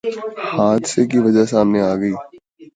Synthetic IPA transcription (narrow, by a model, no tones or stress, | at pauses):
haːd̪sekiʋɐd͡ʒəɦsaːmneaːɡəiː